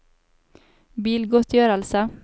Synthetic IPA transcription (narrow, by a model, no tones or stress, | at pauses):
biːlɡʊt̪ʰjøːɾəlsə